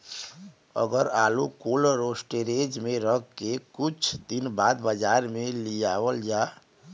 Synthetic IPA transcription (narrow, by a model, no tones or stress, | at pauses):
ə̰ɡəɾaːlukoləɾoːsʈeɾeːd͡ʒmẽɾəɡkekʊt͡ʃʰd̪inbaːd̪bəd͡ʒaːɾmẽlijaːwəld͡ʒaː